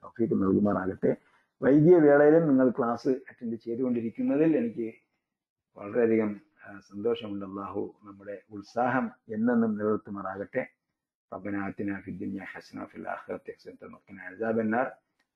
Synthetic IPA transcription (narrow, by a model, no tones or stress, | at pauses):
t̪ɐwfiːkːɨnɐɭɡumaːraːɣɐʈːe̞ | ʋɐjd̪ijɐʋeːɭɐjɐlumniŋːɐɭkɭaːsɨɐtːɐndet͡ɕe̞jðuɣo̞ɳɖiɾikʲːunːɐðile̞nikʲːɨ | ʋɐ̰ɭɐreɐd̪ʱiɣɐm | sɐnd̪o̞ːʂɐmuɳɖɐlˠːaːɦṵnɐmːuɽe̞uɭsaːɦɐme̞nːe̞nːumnilɐʋt̪ːumaːraːɣɐʈːe̞ | rɐbːɐnaːt̪inaːfid̪ːunjaːħasɐna̰fḭla̰ːxirɐ̰t̪ːsɐnt̪ɐmukt̪ːɐnɐzaːbɐnːaːr